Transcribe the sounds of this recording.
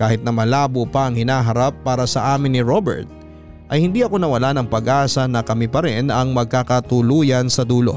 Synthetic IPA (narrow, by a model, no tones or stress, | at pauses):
kaːhɪt̪̚nɐmɐlaːbopɐʔɐŋhɪnaːɦɐɾapːaːɾɐsɐʔaːmɪnːɪɹobɛ̰ɹt̪̚ | ʔɐjhɪnd̪iʔɐko̞nɐwɐlanɐŋpɐɡʔaːsɐnɐkɐmɪpɐɾɛnɐŋmɐɡ̚kakɐt̪ʊluːjɐnsɐd̪uːlo̞̰